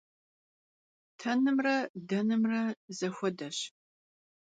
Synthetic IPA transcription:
tʰɐnɨmrɐdɐnɨmrɐzɐxʷɔdɐɕ

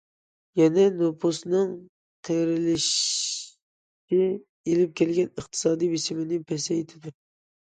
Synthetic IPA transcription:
jɛnɛnopʰusnɨŋ | q̪ʰeɾɪlɪʃ | ʃɪ | elɪp̚kʲɛlɡʲɛnəχt̪ʰɨ̥sɑːd̪ijbesɪmɪnɪŋpʰɛsɛjt̪ʰɪd̪ʊ

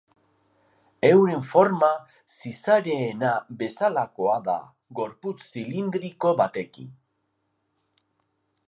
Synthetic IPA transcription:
e̞wɾe̞ɱfo̞ɾma | sisaɾe̞ːnabe̞salako̞aða̰ | ɣo̞ɾput͡ssilind̪ɾiko̞βat̪e̞kḭn

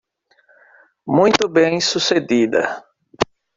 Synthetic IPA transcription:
mũj̃t̪ʊbẽj̃sused̪id̪ɐ̰

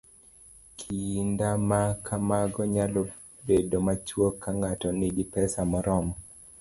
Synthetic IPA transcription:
kʰindamakʰamaɡɔɲalɔ | bedomat͡ʃwokʰːaŋatɔnɪɡɪpɛsamɔɾɔmɔ

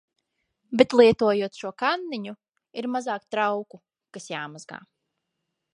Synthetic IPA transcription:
bet̪lˠiɛt̪uɔjuɔt̪ʃuɔkanːiɲu | iɾmazaːkt̪ɾawku | kasjaːmazɡa̰ː

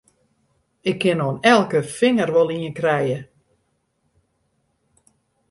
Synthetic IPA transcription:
ɪkʰːɪnonɛlˠkəfɪŋərʋɔlˠiənkrɛjə

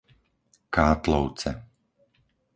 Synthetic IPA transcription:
kaːt̪lɔʊt͡sɛ̰

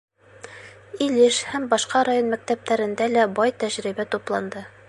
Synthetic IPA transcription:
iliʃhæmbɒʃqɑɾajonmæk̚t̪æp̚t̪æɾɘ̆nd̪ælæbɒjt̪æʑɾibæt̪uplˠɑnd̪ɤ

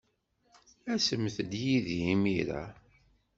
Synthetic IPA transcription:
æsəmθəd̪jiðimiɾa̰

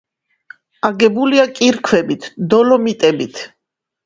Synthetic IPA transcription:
aɡɛbuliakʼiɾkʰwɛbit̪ʰd̪ɔlɔmit̪ʼɛbit̪ʰ

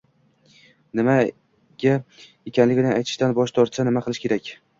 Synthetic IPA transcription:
nɪma | ɡʲa | ekʲʰanlɪɡʲɪnɪajt̪ʰɪ̥ʃt̪anbɒʃt̪ʰɒɾt̪sanɪmaqʰɨlˠɪʃkʰʲe̞ɾakʲ

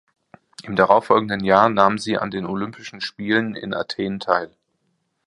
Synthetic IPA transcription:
ʔɪmdaʁaʊfːɔlɡŋ̩dənjaːɐnaːmənziːʔa̰ndeːnolʏmpɪʃn̩ʃpiːlənɪ̰nʔa̰tʰeːntʰaɪl

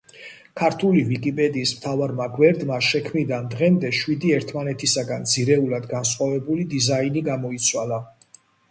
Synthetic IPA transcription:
kʰaɾt̪ʰulivikʼipʼɛd̪iːsmt̪ʰavaɾmaɡwɛɾd̪maʃɛkʰmid̪and̪ʁɛmd̪ɛʃwid̪iɛɾt̪ʰmanɛt̪ʰisaɡand̪z̥iɾɛulad̪ɡansχʼwavɛbulid̪izainiɡamɔit̪sʰwala

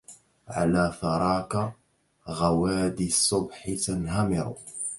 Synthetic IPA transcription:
ʕa̰laːθɑɾˤɑːka | ɣawaːd̪isˤːʊbħɪt̪anhamɪɾ̰

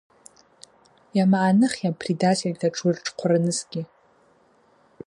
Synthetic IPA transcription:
jamaʔːnɨχʲjapʰridatʲʰelʲtʰaʈ͡ʂʰʼirʈ͡ʂʼqʷʰaranɨsɡʲɪ

